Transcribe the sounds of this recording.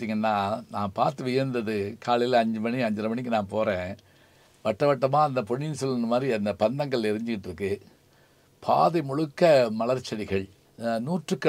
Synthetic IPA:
t̪iːŋɡɐnːaːnaːpaːɾt̪ɯʋɪjɐɾnd̪ɐðɯkʰaːɭɪjlɐɐɲd͡ʒɯmɐɳiɐɲd͡ʒɪɾɐmɐɳɪkːɯnãːpoːɾẽː | ʋɐʈːɐʋɐʈːɐmaːɐnd̪ɐpɔɳːɪnsɔlːɐnd̪ɐmaːd̪ɾiɐnd̪ɐpɐnd̪ɐŋɡɐɭɛɾɯɲd͡ʒɪkːɪʈːɪɾɯkːɯ | pʰaːðɐɪmʊɻɯkːɐmɐɭɐɾt͡ʃːɐɽɪɣɐɭ | nuːʈrɯkːɐ

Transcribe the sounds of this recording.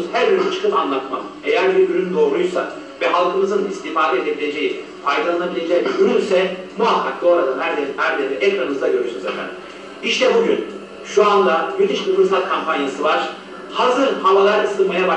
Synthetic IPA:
zhæɾjyɾnyt͡ʃʰɯ̥kʰɯpanlˠat̪ma̰m | ejæɾbiɾbyɾynyd̪o̞ːɾujsa̰ | vɛɦalˠkʰɯmɯzɯnist̪ʰiːfaːd̪ɛe̞d̪e̞bilʲe̞d͡ʒe̞ji | fajd̪alˠanabilʲe̞d͡ʒɛɟyɾylʲsɛmuɦakʰːak̚d̪ˠo̞ːɾad̪anhæɾd̪eɾhæɾd̪eɾɾɛʔɛkɾanɯmɯzd̪aɟø̞ɾyʃynzat̪ʰæ̰n | iʃt̪ʰɛbuɟyn | ʃuand̪abyt̪ʰiʃbifɯɾs̬at̪̚kʰampʰanjasɯvaɾ̥ | hazɯɾhavalˠaɾɯsɯlˠmajaba

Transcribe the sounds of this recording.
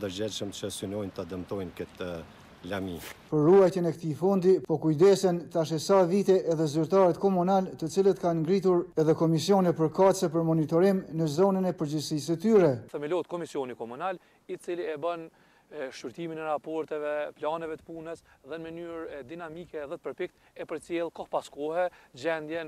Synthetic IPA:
d̪əɾd͡ʑɛʃəmt͡ʃəsynɔjnt̪ad̪əmt̪ɔjnkət̪ə | lamḭpəɾːuajt̪ɛnɛkt̪ifund̪ipɔkujd̪ɛsɛnt̪aʃ̬ɛsavit̪ɛʔɛðɛzyɾt̪aɾɛt̪kɔmunalt̪ət͡silət̪kanŋɡɾit̪̬uɾɛðɛkɔmisiɔnɛpəɾkat̪səp̬əɾmɔnit̪ɔɾimnəzɔnənɛpəɾd͡ʑisisət̪yɾɛθəmilɔt̪̚kɔmisjɔnikɔmunal | it͡siliɛbən | ʃyɾt̪iminɛɾapɔɾt̪ɛvɛplanɛvɛt̪ə̥punɛsðɛnmənyɾɛd̪inamikɛðɛt̪̚pəɾpik̚t̪ɛpəɾt͡sjɛlˠkɔhpaskɔhɛd͡ʑɛnd̪jɛn

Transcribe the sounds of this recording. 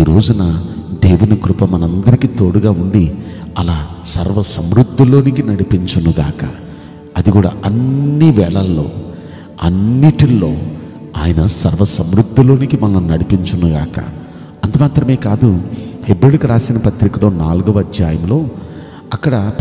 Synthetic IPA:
iːɾo̞ːd͡ʒunɐd̪e̞ːʋunikɾupɐmɐnɐɐnd̪ɐɾikiːt̪oːɽuɡaːuɳɖi | ɐlaː | sɐɾʋɐsɐmɾud̪ʱːulo̞ːnikinɐɽipiɲt͡ʃɐnuɡaːkɐ̰ | ɐd̪iɡuːɽa̰ːʔɐnːiʋɛːɭɐlːo̞̰ː | ɐnːiʈilːo̞̰ː | aːjɐnɐsɐɾʋɐsɐmɾud̪ʱːulo̞ːnikimɐlːɐnɐɽipiɲt͡ʃɐnuɡa̰ːkɐ̰ | ɐnt̪umaːt̪ɾɐme̞ːkaːd̪uhebeːɭukuɾaːsinɐpɐt̪ɾikɐlo̞ːnaːluɡuʋɐd͡ʒjaːjɐmlo̞ː | ɐkːɐɽɐ

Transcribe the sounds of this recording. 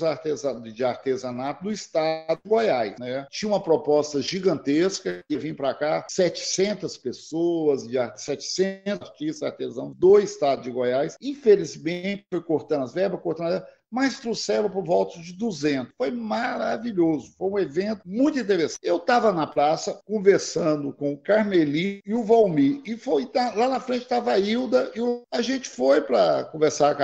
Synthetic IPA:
zaɾt̪ezɐd͡ʒɪaɾt̪ezɐ̃nat̪ʊd̪ʊist̪ad̪ʊɪɡojajsnɛt͡ʃĩɲɐ̃ũmɐpɾopɔst̪ɐʒiɡɐ̃nt̪eskɐkɪvĩj̃ʊpɾakasɛt͡ʃɪ̥sẽnt̪ɐspesoɐzd͡ʒasɛt͡ʃɪ̥sẽnt̪ɐɾt͡ʃist̪zaɾt̪ezɐ̃nd̪oist̪ad̪ʊd͡ʒɪɡojajsĩfelizmẽt͡ʃɪ̥fojkoɾt̪ɐ̃ɐzvɛɾbɐskoɾt̪ɐ̃nɐvɛɾb | majst̪ɾusɛlɐpoɾvɔwt̪ɐd͡ʒɪd̪uzẽnt̪ʊ̥sfojmaɾaviʎozʊfojũevẽnt̪ʊmũj̃t̪ʊĩnt̪eɾesɐ̃ewt̪avɐnɐpɾasɐkõveɾsɐ̃d̪ʊkõʊkaɾmelĩɪʊvawmiɪfoj̪alanɐfɾẽnt͡ʃɪ̥t̪avɐiwd̪ɐɪʊɐʒẽt͡ʃɪ̥fojpɾɐkõveɾsaɾk

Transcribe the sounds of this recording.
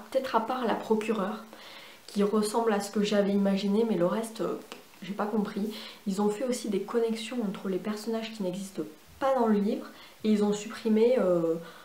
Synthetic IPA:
pə̥t̪ɛt̪χapaʁla̰pχɔkʲyʁœʁ | kʲʰiʁəsɑ̃blasə̥kəʒavɛimaʒinemɛləʁɛst̪ø̰ | ʒepakɔ̃pχiilzɔ̃fɛosid̪ekɔnɛksjɔ̃ɑ̃t̪χəlepɛʁsɔnaʒkʲinɛɡzist̪ə | pad̪ɑ̃ləlivʁ | eilzɔ̃sypχimeø

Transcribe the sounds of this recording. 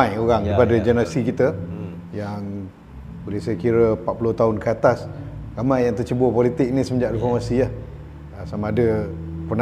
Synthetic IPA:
ajoɾaŋipadad͡ʒənəɾasikit̪ə | jaŋ | bəlehsəjkiɾəpat̪ʔ̪̚pulʊt̪aɦʊnkəat̪asramãjjaŋt̪ərt͡ʃəbopɔlit̪ɪk̚nisəməd͡ʒaʔrifɔrmasiah | əsamãːdəpən

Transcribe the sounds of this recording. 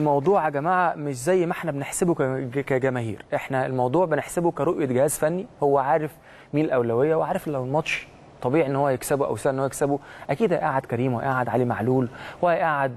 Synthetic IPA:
mɑwd̪ˤuːʕaɡæmaːʕameʃzæjːmaħnæbeneħsebokæɡæmæɦḭːɾʔeħnæelmɑwd̪ˤuːʕbeneħsebokæɾˤoʔjeɡɪhæːzfænːihowːæʕaːɾef | miːllʔæwlæwejːæwʕaːɾˤeflæwnmɑt̪ˤʃ | t̪ˤːɑbiːʕiʔenːhowːæjeksæboʔæ̰wsæːʔnːoːjeksæboʔækiːd̪hæʔaʕad̪kæɾiːmwæʔaʕad̪ʕalimaʕluːlhwæʔaʕad̪̚

